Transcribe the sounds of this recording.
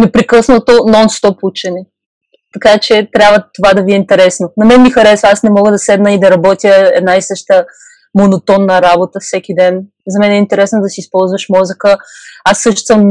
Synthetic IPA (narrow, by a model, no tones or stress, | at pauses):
nɛpɾikɤsnot̪onɔnst̪ɔput͡ʃɛnɛ | t̪ɐkat͡ʃɛt̪ɾʲjabvət̪ovad̪ɐviɛint̪ɛɾɛsnonɐmɛnmixɐɾɛsvəasnɛmɔɡəd̪ɐsɛd̪nəid̪ɐɾɐbɔt̪ʲjəɛ̰d̪naisɤʃt̪ə | monot̪ɔnːɐɾabot̪əfsɛk̟id̪ɛn | zɐmɛnɛint̪ɛɾɛsnod̪ɐsiːspɔlˠzvəʃmɔzəkəasːɤʃt̪o̥səm